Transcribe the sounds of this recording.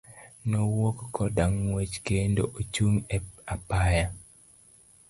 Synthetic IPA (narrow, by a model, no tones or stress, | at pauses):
nowokːɔdaŋːwet͡ʃkendoʔot͡ʃuŋeapaja